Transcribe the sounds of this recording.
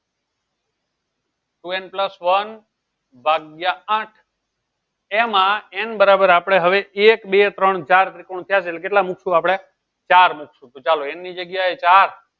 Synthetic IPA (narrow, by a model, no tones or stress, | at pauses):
ʈuenpləsʋən | bʱaɡjaaʈʰ | emãenbəɾabəɾapɽ̃eɦəʋeekbet̪ɾəɳt͡ʃaɾt̪ɾikoɳ̃t̪ʰjaselekeʈlamukʰʃũapɽ̃e | t͡ʃaɾmukʰʃũt̪ot͡ʃaloenːid͡ʒəɡjaet͡ʃaɾ